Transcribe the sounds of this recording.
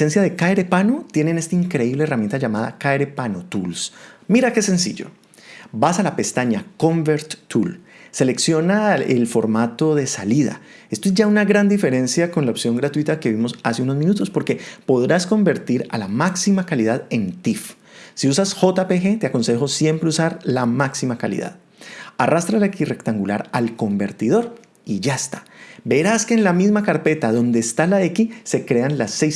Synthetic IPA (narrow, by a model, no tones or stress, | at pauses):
e̞nsjaðe̞kaeɾe̞panot̪je̞ne̞nest̪aiŋkɾe̞iβleeramjent̪aʝamaða̰kaeɾe̞panot̪ṵlsmiɾake̞se̞nsḭʝo̞̰ | basalape̞st̪aɲako̞mbeɾt̪ːulse̞le̞ksjo̞naḛlfo̞ɾmat̪o̞ðe̞saliða̰ | est̪oe̞zʝaunaɣɾand̪ife̞ɾe̞nsjako̞nlaopsjo̞ŋɡɾat̪wit̪ake̞βimo̞saseuno̞zmĩnut̪o̞spo̞ɾkepo̞ðɾasko̞mbe̞ɾt̪iɾa̰lamaksimakaliðaðe̞nt̪if | siusasxo̞t̪apexe̞t̪eako̞nse̞xo̞sje̞mpɾeusaɾlamaksimakalḭða̰ð | arast̪ɾalekire̞kt̪aŋɡula̰ɾalko̞mbe̞ɾt̪iðo̞ɾ | iʝaest̪ḁbe̞ɾaske̞ːnlamizmakaɾpe̞t̪aðo̞nd̪e̞ːst̪alaðekise̞kɾe̞anlasːejs